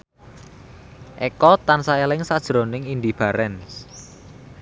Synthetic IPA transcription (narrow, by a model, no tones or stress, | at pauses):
ʔɛkɔt̪ansaelɪŋsad̥ʒ̥ɾonɪŋind̪ib̥a̤ɾɛns